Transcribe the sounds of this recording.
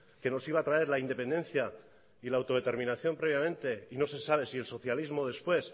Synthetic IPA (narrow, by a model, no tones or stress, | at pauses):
ke̞no̞siβ̞aːt̪ɾae̞ɾlaind̪e̞pe̞nd̪e̞nθja | ilaːwt̪o̞ð̞e̞t̪e̞ɾmĩnaθjo̞mpɾe̞β̞jamẽ̞nt̪e̞ino̞se̞saβ̞e̞sie̞lso̞θjalizmo̞ð̞e̞spwe̞s